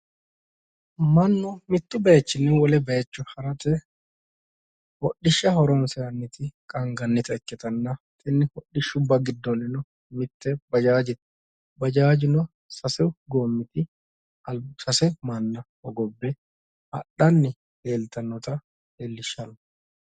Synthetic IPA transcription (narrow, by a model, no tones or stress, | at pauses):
mɐnːɔmɪt̪ːʊbɐjɛt͡ʃːɪnːɛwɔlɛbɐjɐt͡ʃːʊhɐɾɐt̪ɛ | hɔɗːɪʃːɐhɔɾɔnsɛɐnːɪt̪ɪkʼɐŋɡɐnːɪt̪ɐɛkːɛt̪ɐnːɐ | t̪ʼɛnːɪhɔɗɪʃːʊbːɐɡɪd̪ːɔnːɪnɔ | mɪt̪ːɛbɐd͡ʒaːd͡ʒɪt̪ | bɐd͡ʒaːd͡ʒɪnɔ | sɐsɛwɡoːmːɪt̪ɪ | ɐlsɐsɛmɐnːɐhɔɡɔbːɛ | hɐ̰ɗːɐnːɪ | heːlt̪ɐnːɔt̪ɐ | eːlːɪʃːɐnɔ